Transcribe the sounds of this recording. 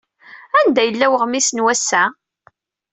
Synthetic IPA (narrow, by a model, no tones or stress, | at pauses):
ænd̪æjəlːæwəʁmisənwæsːæ